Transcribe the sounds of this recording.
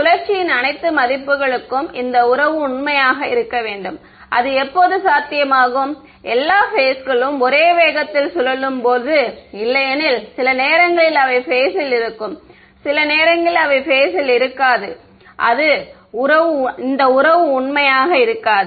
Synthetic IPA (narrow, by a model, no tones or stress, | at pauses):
ʊlɐɾt͡ʃːɪjɪnɐnɐɪt̪ːɯmɐðɪpːɯɣɐɭɯkːɯmɪnd̪ɐʊɾɐʋɯʊɳmɐjaːɣɐɪɾɯkːɐʋeːɳɖɯm | ʔɐ̰ðɯɛpːoːðɯsaːt̪ːɪjɐmaːɣɯm | ʔɛlːaːfeːsɣɐɭɯmɔɾeːʋeːɣɐt̪ːɪlsɔlɐlɯmpoːðɯɪlːɐjɐnɪlsɪlɐneːɾɐŋɡɐɭɪlɐʋɐɪfeːsɪlɪɾɯkːɯm | sɪlɐneːɾɐŋɡɐɭɪlɐʋɐɪfeːsɪlɪɾɯkːaːðɯ | ʔɐ̰ðɯ | ʊɾɐʋɯɪnd̪ɐʊɾɐʋɯʊɳmɐjaːɣɐɪɾɯkːaːðɯ